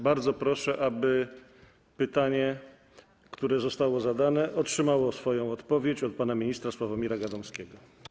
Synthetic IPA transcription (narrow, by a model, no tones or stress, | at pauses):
baɾd̪zɔpɾɔʂɛʔabɘ | pɘt̪aɲɛ | kt̪uɾɛzɔst̪awɔzad̪anɛʔɔtʂɘmawɔsfɔjɔ̃w̃ɔt̪pɔvʲjet͡ɕɔt̪̚panamʲiɲist̪ɾaswavamʲiɾaɡad̪ɔmskʲɛɡɔ